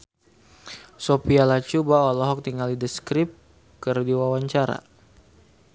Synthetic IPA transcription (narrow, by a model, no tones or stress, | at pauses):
sopialat͡ʃubaɔlɔɦɔk̚t̪iŋalidəskɾɪp̚ | kərdiwawaɲt͡ʃaɾa̰